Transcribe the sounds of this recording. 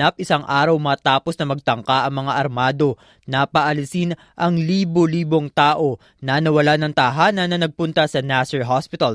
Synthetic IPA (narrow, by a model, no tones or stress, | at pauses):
ap̚ʔɪsaŋʔaːɾɐwmɐt̪aːpo̞snɐmɐɡ̚t̪ɐŋkaʔɐŋmɐŋaʔɐɾmaːd̪o̞ | nɐpɐʔɐlɪsɪn | ʔɐŋliːbo̞liːbo̞ŋt̪aːʔo̞ | nɐnɐwɐlanɐŋt̪aɦanɐnɐnɐɡ̚pʊnt̪ɐsɐnasɛɹɦaspɪt̪ɐl